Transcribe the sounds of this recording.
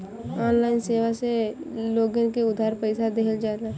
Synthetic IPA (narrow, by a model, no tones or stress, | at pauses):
ɔːnlaːɪnseːʋaseloːɡə̃keʊd̪ʱaːɾpəɪsad̪eɦəld͡ʒaːla